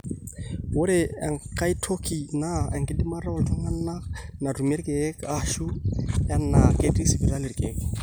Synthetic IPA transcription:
wʊ˦ɾɪ˨ɛŋka˦i˦tʰo˦ki˨na˦ɛ˨ŋkʼɪ˦di˦ma˦ɾɔ˦˨ltʰa˦ŋa˦nna˦na˨ru˨me˦ɾi˦kʼe˦kaʃu˦ja˦na˨ke˦tʼi˦si˨bi˨ɾa˦lɪ˨ɾi˨kʼeː˦k

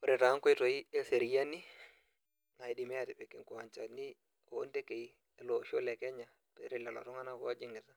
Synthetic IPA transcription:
o˨ɾe˨ta˨˦ŋko˦i˦to˨i˦e˦se˨ɾi˦ja˦ni˦ | na˨i˨di˨me˦a˨ti˨be˨ki˨ŋku˨a˨ɲt͡ʃa˨ni˦ | o˨˦nte˦ke˨˦˨ | lo˨ʃo˦lɛ˨kɛ˦ɲa˨ | tɾi˦˨la˨lo̰˨tɔ˦ŋa˦na˦ko˦a˦d͡ʒi˦ŋɡɪ˨ta˦

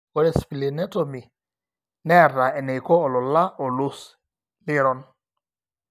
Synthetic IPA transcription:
kɔ˨ɾɛ˨spli˨nɛ˦tɔ˨mi˨ | nɛ˦˨ɾa˨ɛ˨nɛ˨jkɔ˦ɔ˨lɔ˨la˦ɔ˨lʊ˦s | lɪ˦ɾɔ˨n

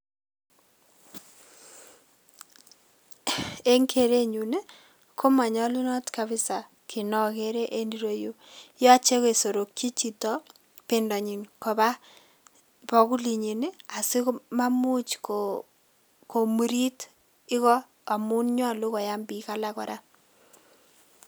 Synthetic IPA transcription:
e˦ŋkʰe˦˨ɾe˦ɲu˨ne˦ | kʰo˦ma˨ɲɔ˦lu˦nɔ˦tka˦βɪ˦sa˨ | kʰi˨nɔ˨ke˦ɾe˦ʔe˦ndi˦ɾo˦jo˦jɔ˦t͡ʃe˦ko˦˨so˨ɾo˨kji˦t͡ʃi˨tɔ˦ | pe˨ndɔ˨ɲi˨nko˨ba˦ | pɔ˨ku˦li˨ɲi˨ne˦a˨si˦kma˦mu˦t͡ʃko | ko˨mu˨ɾi˦t | i˦kɔ˦ | a˨mu˦nɲɔ˦˨lu˦kɔ˨ja˦mbi˨ka˦la˦kɔ˨ɾa˦

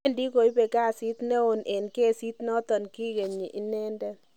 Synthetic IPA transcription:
ndi˦ko˨i˦be˨ka˦˨si˦t̪ne˦o˨nʔe˨nke˦˨si˦t̪nɔ˦tɔ˨nki˦ɣe˨ɲi˨ʔi˦nɛ˦ndɛ˦

